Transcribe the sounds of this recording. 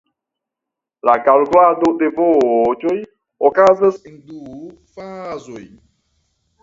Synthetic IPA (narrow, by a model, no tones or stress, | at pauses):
lakalɡladode̞vot͡ʃoj | okazasendu | fazoj